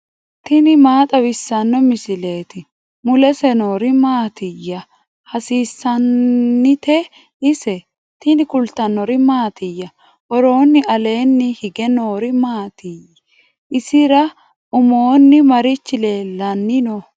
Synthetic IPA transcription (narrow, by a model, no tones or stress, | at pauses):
t̪ɪnɪmaːt̪ʼɐwɪsːɐnːɔmɪsɪle̞ːt̪ɪ | mʊlɛsɛno̞ːɾɪmaːt̪ɪjːɐ | hɐsiːsːɐnːɪt̪ɛ | ɪsɛ | t̪ɪnɪkʊlt̪ɐnːɔɾɪmaːt̪ɪjːɐ | hɔɾo̞ːnːɪɐle̞ːnːɪhɪɡɛno̞ːɾɪmaːt̪ɪj | ʔɪsɪɾɐ | ʊmoːnːɪmɐɾɪt͡ʃːɪle̞ːlːɐnːɪnɔ